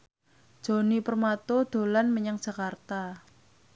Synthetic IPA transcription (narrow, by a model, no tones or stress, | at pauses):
ʒ̥o̤nipərmat̪od̪̥o̤lanməɲaŋd̥d͡ʒ̥ʒ̥a̤kart̪a